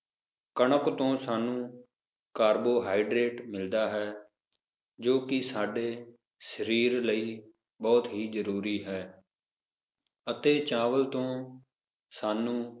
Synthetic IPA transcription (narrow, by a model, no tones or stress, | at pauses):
kəɳəkt̪õːsaːnũː | kaːɾboːɦaːiɖɾeːʈmɪld̪aːɦɛː | d͡ʒoːkɪsaːɖeː | səɾiːɾləiː | bɔːt̪ɦiːzəɾuːɾiːɦɛː | ət̪eːt͡ʃaːʋəlt̪õː | saːnũː